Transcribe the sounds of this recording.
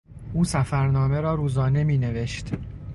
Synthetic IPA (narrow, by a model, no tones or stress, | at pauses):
ʔuːsæfæɾnɒːme̞ɾɒːɾuːzɒːne̞miːne̞ve̞ʃt̪